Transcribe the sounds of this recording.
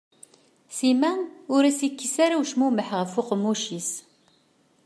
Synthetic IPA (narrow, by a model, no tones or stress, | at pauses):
simæʊɾæsikːisaɾawʃmuməħʁəfʊqmːuʃis